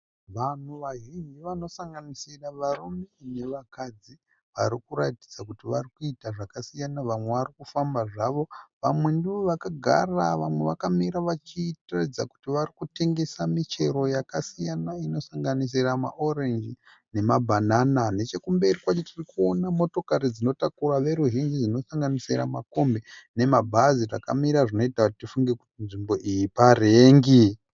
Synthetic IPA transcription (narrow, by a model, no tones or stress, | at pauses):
ʋan̤uʋaɦiɦiʋano̞saŋɡanisiraʋarumene̞ʋakad͡zi | ʋaɾikuɾati̥d͡zakutiʋarikuitaʐakasijanaʋamwe̞ʋaɾikufambaʐaʋo̞ʋamwe̞ndioʋakaɡʱa̰raʋamwe̞ʋakamiɾaʋat͡ʃitratid͡zaku̥tiʋarikute̞ŋɡe̞samit͡ʃe̞ɾo̞jakasijanaino̞saŋɡanis̬irama̰ʔo̞rend͡ʒi | ne̞mabʱananane̞t͡ʃe̞kumbe̞rikwat͡ʃetirikuonamo̞to̞kaɾid͡zino̞takuraʋe̞ɾuʒind͡ʒid͡ʒino̞saŋɡanisira̰mako̞mbe̞ne̞mabʱazira̰ka̰miɾaʐino̞itakutitifuŋɡe̞ku̥tinʐimbo̞ʔijipareːŋɡi